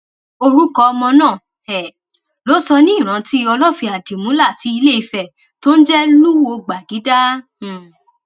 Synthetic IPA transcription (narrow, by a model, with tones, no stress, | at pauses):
o˧ɾu˦kɔ˧ɔ˧mɔ̃˧nãː˦˨ | ɛ˨ | lo˨˦sɔ˧nĩ˦i˦˨ɾ̃ã˨˧ti˦˧ɔ˧lɔ˦˨fi˧a˨di˨mũ˨˦la˦˨ti˨˦i˧le˦˨i˧fɛ˨ | to˦n̩˦d͡ʒɛ˦lu˦wo˧ɡ͡ba˨ɡi˨˦dã˦˨